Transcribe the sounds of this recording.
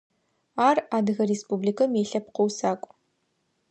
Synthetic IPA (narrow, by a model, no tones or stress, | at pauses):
aːraːdɨɣɐreːspublikʰɐmjeːɬɐpqowsaːkʷʼ